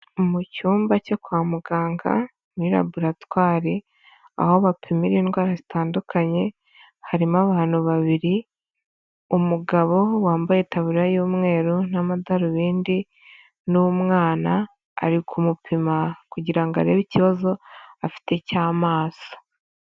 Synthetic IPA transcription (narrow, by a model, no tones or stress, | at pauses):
umucuːmbacokwaːmuɡaːŋɡa̰ | niɾa̰buɾatwaːɾe | a̰ho̞βapʰimiɾiːnɡwaːɾazitaːndukʰaɲe̞ | haɾimaβaːn̥huβaβiɾi | umuɡaβo̞waːmbajetaβuɾɾajuːmŋe̞ːɾunamadaɾuβiːndi | numŋaːna̰ː | ɾikʰumupʰimakuɟiɾaŋɡa̰ɾeːβiciβazo̞afi̥te̞caːmaːso̥